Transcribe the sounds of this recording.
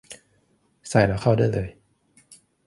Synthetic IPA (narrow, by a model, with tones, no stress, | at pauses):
sa˨˩˦jlaː˧wkʰa˥˩wdaː˥˩jlɤː˧j